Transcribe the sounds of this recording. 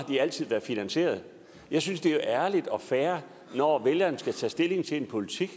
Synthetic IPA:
d̥iæl̰t͡sʰið̰ˠʋæɐðˠfinænse̝̰ːɐð̞ˠ | jɑ̈ɪsynsd̥e̝o̝ʔæɐlid̥ɒ̽fæːɐ | nɒʋeljɐːnsɡ̥æt͡sʰɛ̰ːsd̥e̝le̝ŋt͡sʰe̝le̝npʰo̝lit͡sʰiɡ̥

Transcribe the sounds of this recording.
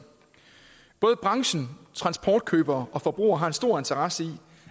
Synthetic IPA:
b̥ɔːð̞̩ˠəb̥ʁɑ̈ŋɕn̩t͡sʰʁɑ̈nsb̥ʰɒːd̥̚kʰøːb̥ɐːʔɒ̽fɒ̽b̥ʁṵːɐɦɑ̈e̝nsd̥o̝ɐ̰e̝nt͡sʰɐʁɑ̈səi

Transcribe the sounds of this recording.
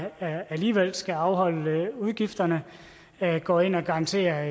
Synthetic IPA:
æliːʋel̰sɡ̥æɑ̈ʊɦɒ̽l̰uð̞ˠɡ̥ifd̥ɐnə | ɡ̥ɒ̰̽ːe̝n̰ɒɡ̥ɑ̈ʁɑ̈nt͡sʰe̝̰ːɐ

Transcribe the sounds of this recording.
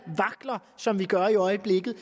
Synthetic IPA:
ʋɑ̈ɡ̥lɐsɒ̽mʋiɡ̥ɶɐiɒ̽ɪəb̥le̝ɡ̥ð̩ˠ

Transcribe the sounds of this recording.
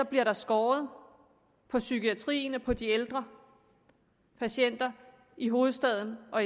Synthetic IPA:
sɒ̽b̥liɐɾɑ̈sɡ̥ɒːð̞̩ˠ | pʰɒ̽sykiæt͡sʰʁḭːnəpʰɒ̽d̥ield̥ʁɐ | pʰæɕen̰d̥ɐ | iɦo̝ːð̩ˠsd̥ɛð̞ˠn̩ʔɒ̽

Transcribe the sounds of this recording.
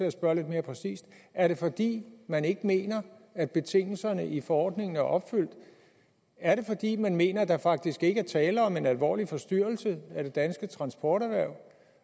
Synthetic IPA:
e̝æsb̥ɶɐle̝d̥me̝ːɐpʰʁɛsḭːsd̥æɐɾe̝fɒ̽d̥ḭːmæne̝ɡ̥əme̝̰ːnɐæd̥̚b̥e̝t͡sʰe̝ŋ̰l̩sɐnəʔifɒ̽ɒ̰ːd̥ne̝ŋn̩æɐʔɒ̽b̥fyl̰d̥ | æɐɾe̝fɒ̽d̥ḭːmænme̝̰ːnɐd̥ɑ̈fɑ̈ɡ̥̚d̥isɡ̥e̝ɡ̥əæɐt͡sʰɛːləɒ̽me̝nælʋɒ̰ːlifɒ̽sd̥yɐ̰l̩səæd̥e̝d̥ænsɡ̥ət͡sʰʁɑ̈nsb̥ɒːɾæʋæɐ̰

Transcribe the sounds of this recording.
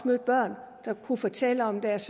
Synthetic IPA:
møːd̥̚b̥ɶɐ̰n | d̥ɑ̈kʰufɒt͡sʰeləɒ̽md̥æɐs

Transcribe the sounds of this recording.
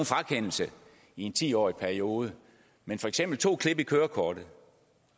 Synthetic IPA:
nfʁäkʰen̰l̩sə | ie̝nt͡sʰḭːɒ̰ːipʰæɐio̝ːð̞ˠə | menfɒ̽eɡ̥semb̥l̩t͡sʰo̝̰ːkʰle̝b̥əikʰøːɐkʰɒːd̥ð̩ˠ

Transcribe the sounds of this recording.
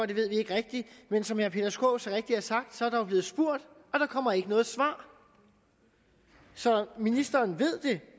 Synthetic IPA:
ɒ̽d̥e̝ʋe̝ð̞̰ˠʋie̝ɡ̥əʁeɡ̥̚d̥imensɒ̽mhæɐpʰe̝d̥ɐsɡ̥o̰ʊsɒʁeɡ̥̚d̥iæɐsɑ̈ɡ̥̚d̥sɒ̽æɐɾ̥ɑob̥e̝ːð̩ˠsb̥uɐ̰d̥ | ʔɒ̽ɾ̥ɑ̈kʰɒ̽m̰ɐe̝ɡ̥ənɔ̽ːð̩ˠsʋɑ̰̈ː | sɒ̽minisd̥ɐːnʋe̝ð̞̰ˠd̥e̝

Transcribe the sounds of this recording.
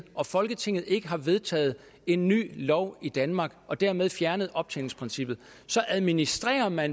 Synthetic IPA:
ɒ̽fɒ̽lɡ̥ət͡sʰe̝ŋ̰ð̩ˠe̝ɡ̥əɦɑ̈ʋe̝ðˠt͡sʰɛ̰ːð̞̩ˠ | e̝nːy̰ːlɒʊid̥ænmɑ̈ːɡ̥ɒ̽d̥æɐ̰með̞ˠfjæɐnəðˠɒ̽b̥̚t͡sʰɛ̰lŋspʰʁinsib̥ð̩ˠ | sɒ̽ʔæðˠminisd̥ʁɛ̰ːɐmæn

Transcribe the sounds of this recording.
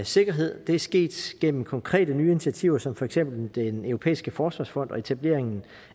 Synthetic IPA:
se̝ɡ̥ɐɦe̝ð̞̰ˠd̥e̝æɐsɡ̥e̝̰ːd̥ɡ̥en̰m̩kʰɒ̽ŋkʰʁɛ̰ːd̥ənyːinit͡sʰiæt͡sʰiʊɐsɒ̽mfɒ̽eɡ̥sem̰b̥l̩d̥enøʊʁopʰḛːisɡ̥əfɒːsʋɑ̈ːsfɒ̽n̰d̥ɒ̽e̝t͡sʰæb̥le̝ɐ̰e̝ŋn̩

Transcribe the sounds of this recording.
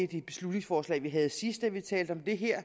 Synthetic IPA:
ed̥eb̥e̝slud̥ne̝ŋsfɒːslɛ̰ːʋiɦæð̞̩ˠsisd̥æʋit͡sʰɛ̰ːld̥əɒ̽md̥e̝ɦeɐ̰

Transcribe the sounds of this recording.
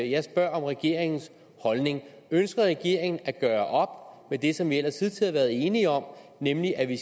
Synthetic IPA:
jɑ̈ɪsb̥ɶɐ̰ɒ̽mʁɛɡ̥e̝̰ɐ̰eŋn̩s | hɒ̽lne̝ŋ | ønsɡ̥ɐʁɛɡ̥e̝ɐ̰e̝ŋn̩æɡ̥ɶːɐʔɒ̽b̥med̥e̝sɒ̽mʋiel̰ɐsʰiðˠt͡sʰiɑʋæɐð̞̩ˠe̝ːniɒ̽mnemliʔæʋi

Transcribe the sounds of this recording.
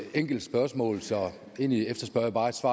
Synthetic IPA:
eŋ̰ɡ̥l̩d̥sb̥ɶɐsmɔ̰̽ːlsɒ̽ | e̝niefd̥ɐsb̥ɶɐjb̥ɑ̈ːed̥sʋɑ̰̈ː

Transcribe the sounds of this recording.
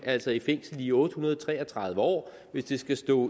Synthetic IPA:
æl̰sɒifeŋ̰sl̩iːɔ̽ːd̥əhunɐðˠt͡sʰʁɛːɐt͡sʰʁɑ̈ð̞ˠʋəɒ̰ː | ʋe̝sd̥e̝sɡ̥æsd̥ɔ̰̽ː

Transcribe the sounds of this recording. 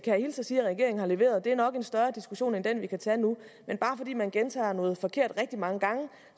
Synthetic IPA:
kʰæjhilsɐsiːɐʁɡ̥e̝ɐ̰eŋ̩hɑ̈le̝ʋe̝̰ɐð̩ˠd̥e̝æɐnɒ̽ɡ̥e̝nsd̥ɶɐd̥isɡ̥uɕo̝̰ːnend̥enʋikʰæt͡sʰænumenb̥ɑ̈ːfɒ̽d̥ḭːmænɡ̥ent͡sʰɑ̰̈ːnɔ̽ːð̩ˠfɒ̽kʰe̝ɐ̰d̥ʁɛɡ̥̚d̥imɑ̈ŋəɡ̥ɑ̈ŋə

